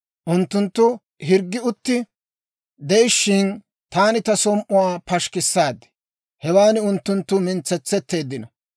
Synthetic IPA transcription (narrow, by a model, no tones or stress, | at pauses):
ʔʊnt̪ːʊnt̪ːʊ | ɦɪɾɡːɪʊt̪ːɪ | d̪ɛjʃːɪn | t̪aːnɪt̪ɐsɔmʔʊwaːpɐʃkɪsːaːd̪ɛ̥ | hɛwaːnɪʊnt̪ːʊnt̪ːʊmɪnt͡sːɛt͡sːɛt̪ːe̞ːd̪ːɪnɔ